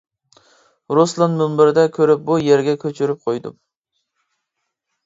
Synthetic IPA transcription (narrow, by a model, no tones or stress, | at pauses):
ɾoslˠɑnmymbɪɾd̪ɛkʲʰøɾɪp̚bujeɾɡʲɛkʲʰøt͡ʃʰyɾyp̚qʰojd̪ṵm